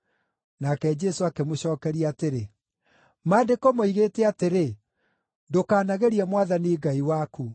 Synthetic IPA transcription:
nakɛd͡ʒɛsoakemoɕɔːkɛɾiateɾe | maːdekomoiɣeːtɛateɾe | ndokaːnaɣeɾiɛmwaðaniɡaiwaku

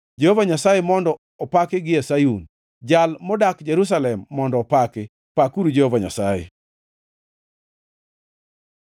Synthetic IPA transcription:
d͡ʒehovaɲasajemɔndɔ | ɔpakɪɡɪɛsajun | d͡ʒalmɔdakd͡ʒeɾus̬alɛmːɔndɔːpakɪ | pakuɾud͡ʒehovaɲa̰sajḛ

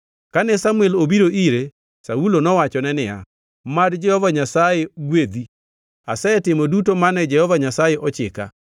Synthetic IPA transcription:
kanɛsamuɛlobiɾoʔiɾe | saulonɔwat͡ʃɔnɛnɪa̰ | madd͡ʒɛhɔvaɲasaeɡwed̪i | asɛtɪmodutomanɛd͡ʒɛhɔvaɲasajeʔɔt͡ʃɪka̰

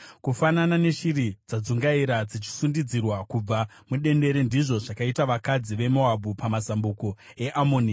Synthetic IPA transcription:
kufananane̞ʃiɾid͡zad͡zuŋɡaiɾad͡zit͡ʃi̥sundid͡zirwakub͡va | muɗe̞nde̞ɾe̞ndiʐo̞ʐakaitaʋakad͡ziʋe̞mo̞abʱupamasambuko̞ | e̞ʔamoːni

